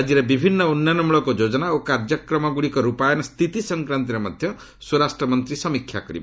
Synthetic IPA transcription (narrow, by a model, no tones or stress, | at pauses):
ad͡ʒiɾebibʱinːɔunːjɔnɔmuɭɔkod͡ʒod͡ʒɔnaokaɾd͡ʒɔkɾɔmɔɡuɽikɔɾupajɔnɔst̪ʰit̪isɔŋkɾant̪iɾemɔd̪ʱjɔ | suɾasʈɾɔmɔnt̪ɾisɔmikʰːja̰kɔɾḭba